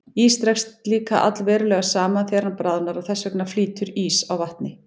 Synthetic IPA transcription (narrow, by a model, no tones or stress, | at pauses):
iːst̪ɾɛkst̪liːkaʔa̰t̪lvɛːɾʏlɛɣasaːmanθjɛːɾanpɾaːðʏnaɾawθɛsːœknḁfliːt̪ʏɾiːsawvaht̪nɪ